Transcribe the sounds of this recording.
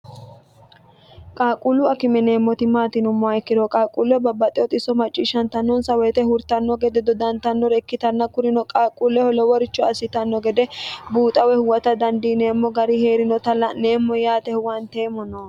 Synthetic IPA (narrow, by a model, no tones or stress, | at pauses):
kʼaːkʼʊlʊɐkɪmɛne̞ːmːɔt̪ɪmaːt̪ɪnʊmːɔɐjkːɪd̪ɔkʼaːkʼulɛbɐbːɐt̪ʼɛɔt̪ʼɪsɔmɐt͡ʃʼːiʃɐnt̪ɐnːɔnsɐwɛt̪ɛhʊɾt̪ɐnːɔɡɛd̪ɛd̪ɔd̪ɐnt̪ɐnːɔɾɛkːɪt̪ɐnːɐkʊɾɪnɔkʼaːkʼulːɛhɔlɔwɔɾɪt͡ʃːɔɐsɪt̪ɐnːɔɡɛd̪ɛbuːt̪ʼɐwɛhʊwɐt̪ɐd̪ɐnd̪iːne̞ːmːɔɡɐɾɪhe̞ːɾɪnɔt̪ɐlɐneːmːɔjaːt̪ɛhʊwɐnt̪e̞ːmɔno